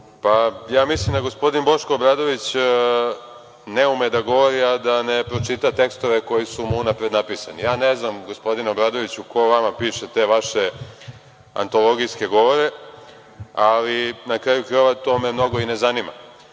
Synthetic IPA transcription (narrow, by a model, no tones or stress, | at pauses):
pajaːmislimd̪aɡo̞spo̞d̪inbo̞ʃkoːbɾad̪o̞ʋit͡ɕ | neumed̪aɡo̞ʋo̞ɾiad̪anepɾo̞t͡ʃit̪at̪e̞kst̪o̞ʋe̞ko̞jisumunapɾe̞d̪napisa̰nḭjaːneznamɡo̞spo̞d̪ino̞bɾaːd̪o̞ʋit͡ɕuko̞ʋamapiːʃe̞t̪e̞ʋaʃe̞ | a̰nt̪o̞lˠo̞ɡijske̞ɡo̞ʋo̞ɾe̞ | alinakɾaːjukɾʋat̪o̞me̞mno̞ɡo̞ine̞zanima̰